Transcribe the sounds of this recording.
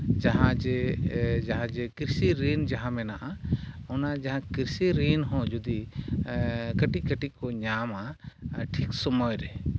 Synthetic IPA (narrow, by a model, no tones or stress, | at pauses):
d͡ʒaɦãd͡ʒɛd͡ʒaɦãd͡ʒɛkiɾsiɾiːnd͡ʒaɦãmɛnaʔaɔnad͡ʒaɦãkiɾsiɾiːnɦɔ̃d͡ʒud̪i | kəʈikəʈikɔɲamaʈʰiksɔmɔjɾɛ